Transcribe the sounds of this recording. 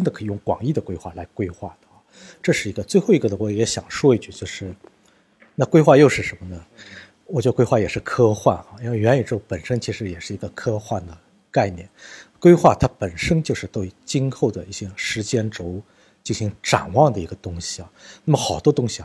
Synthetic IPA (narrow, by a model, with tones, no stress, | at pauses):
ʈ͡ʂə˥nd̪ə˨kʰɤ˧˥˧jʊ˥˩ŋkwɑ̰˨˩ŋi˥˩d̪ə˩kwe˥ɪxwa̰˥˩la˧˥ɪkwe˥ɪxwa˥˩d̪ə˩ɑ˥˩ | ʈ͡ʂɤ˥˧ʂɻ̩˥˩i˧˥ɡə˧t͡swe˥˧ɪxo˥˩ʊi˧˥ɡə˧d̪ə˨˩wɔ˧˥˩jɛ˧˥ɕjɑ̰˨˩ŋʂwɔ˥i˥˧t͡ɕy˥˩t͡ɕjo˥˧ʊʂɻ̩˥˩ | na˥˩kwe˥ɪxwa˥˧jo˥˧ʊʂɻ̩˥˩ʂə˧˥nmə˧nə˩ | wɔ˨˩t͡ɕɥɛ˥ə˧kwe˥ɪxwa˥˩jɛ˨˩ʂɻ̩˥˩kʰɤ˥xwa˥˩nɐ˨˩i˥nwe˥˩ɪɥɛ˧˥ny˨˩ɻ̩˥xo˥˩pə˨˩nʂə˥nt͡ɕʰi˧˥ʂɻ̩˧˥jɛ˨˩ʂɻ̩˥˩i˧˥ɡə˧kʰɤ˥xwa˥˩nd̪ə˩ | ka˥˩ɪnjɛ˥˩nkwe˥ɪxwa˥˩t̪ʰa˥pə˨˩nʂə˥nt͡ɕjo˥˧ʊʂɻ̩˥˧t̪we˥˩ɪt͡ɕi˥nxo˥˩ʊd̪ə̰˩i˥˩ɕjɛ˥ʂɻ̩˧˥t͡ɕjɛ˥nʈ͡ʂo˧˥ʊ | t͡ɕi˥˩nɕi˧˥ŋʈ͡ʂa̰˨˩nwɑ˥˩ŋd̪ə˩i˧˥ɡə˧t̪ʊ˥ŋɕi̥˨a˨˩na˥˩mə˩xɑ˨˩ʊt̪wɔ˥t̪ʊ˥ŋɕi˨˩